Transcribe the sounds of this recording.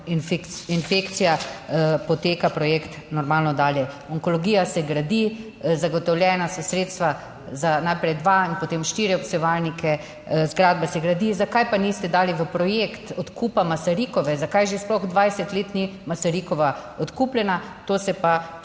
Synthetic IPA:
nfkinfeːkt̪sijapot̪eːkapɾɔjeːkt̪ | nɔɾmaːlnɔd̪aːljɛ | ɔŋkoloɡiːjasɛɡɾad̪i | zaɡɔt̪ɔwljɛːnasɔsɾeːt̪st̪ʋa | zanajpɾɛjd̪ʋainpot̪eːmʃt̪iɾjɛɔpsɛʋaːlnikʰɛ | zɡɾaːd̪basɛɡɾad̪izakajpanist̪ɛd̪aːliʋəpɾɔjekt̪ɔt̪kuːpamasaɾiːkɔʋɛzakajʒesplɔɣd̪ʋajsɛt̪leːt̪nimasaɾikɔʋaɔt̪kuːplʲjɛnat̪oːsɛpa

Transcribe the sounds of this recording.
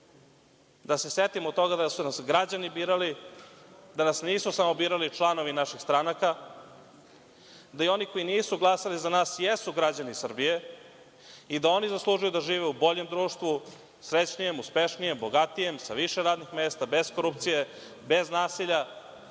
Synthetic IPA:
d̪aseset̪imot̪o̞ɡad̪asunasɡɾad͡ʑanibiːɾali | d̪anasniːsusamo̞biːɾalit͡ʃlˠano̞ʋinaʃixst̪ɾanaka | d̪ajeo̞niko̞iniːsuɡlˠasalizanaːsjesuɡɾad͡ʑanisr̩bije | id̪ao̞nizaslˠuːʒujud̪aʒiːʋeubo̞ʎe̞md̪ɾuːʂt̪ʋu | sɾet͡ɕnije̞muspeʃnije̞mbo̞ɡat̪ije̞msaʋiʃeɾaːd̪nixmeːst̪abe̞zkoɾupt̪sije̞ | be̞znaːsiʎa

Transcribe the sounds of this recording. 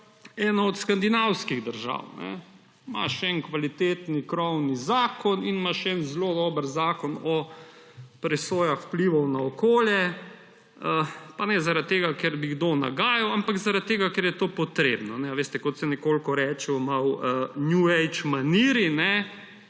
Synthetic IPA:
ɛːnɔɔt̪skand̪inawskiɣd̪əɾʒa̰wnɛ̰ | ma̰ʃɛnkʋalit̪eːt̪nikɾɔwnizaːkɔninmaʃɛnzlod̪ɔːbəɾzaːkɔnɔ | pɾɛsoːjaxwpliʋɔwnaɔkoːljɛ | əpanɛzaɾat̪̚t̪ːeːɡakɛɾbiɡd̪oːna̰ɡaːjawampakzaɾad̪t̪ːeːɡakɛɾjɛt̪oːpɔt̪ɾeːbnɔnɛʋeːst̪ɛkɔt̪sɛnɛkoːlkɔɾɛːt͡ʃɛwmawənjuɛjt͡ʃmaniːɾinɛ

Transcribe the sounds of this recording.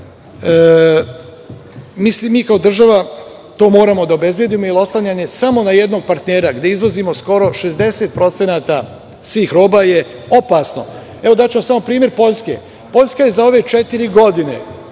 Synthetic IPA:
misimiːkaod̪r̩ʒaʋa | t̪o̞ːmo̞ːɾamo̞d̪aobe̞zbje̞d̪iːmojilo̞slˠaɲaɲe̞samo̞naje̞d̪no̞ɡ̚paɾt̪ne̞ːɾaɡd̪e̞izʋo̞zimo̞sko̞ɾo̞ʃe̞zd̪e̞se̞t̪̚pɾo̞t̪senaːt̪a | sʋiːxɾo̞ːbaje̞ | o̞pasno̞̰ | e̞ʋo̞d̪at͡ɕemo̞samo̞pɾiːmje̞ɾpo̞ʎske̞̰ | po̞ʎʲskaje̞zao̞ʋe̞t͡ʃe̞t̪iɾiɡo̞d̪ine̞̰

